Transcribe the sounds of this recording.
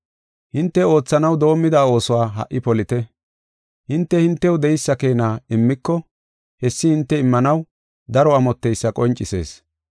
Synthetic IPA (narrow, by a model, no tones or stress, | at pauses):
hɪnt̪ːɛo̞ːt͡sːɐnɐwd̪o̞ːmːɪd̪aːo̞ːsɔwaːɦɐ̰ʔːɪpɔlɪt̪ɛ | hɪnt̪ːɛhɪnt̪ːɛwd̪ɛjɪsːɐke̞ːnaːɪmːɪkːɔ | hɛsːɪhɪnt̪ːɛɪmːɐnɐw | d̪ɐɾɔɐmɔt̪ːɛjsːɐkʼɔnt͡ʃʼːɪse̞̰ːs